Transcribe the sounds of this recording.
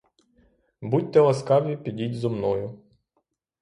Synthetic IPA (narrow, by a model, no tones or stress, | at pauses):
but̚ʲt̪ɛlˠɐskɑʋʲipʲidʲidʲzɔmnɔjʊ